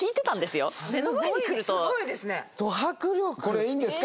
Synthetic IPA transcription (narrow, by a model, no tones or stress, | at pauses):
iːt̪e̞t̪ãnd̪e̞sɨjomenomaɲiɲkɯɾɯ̟st̪oɡoid̪e̞sɨnet̪o̞ɦakɯɾoko̞ɾeiːnd̪e̞sɨ̥k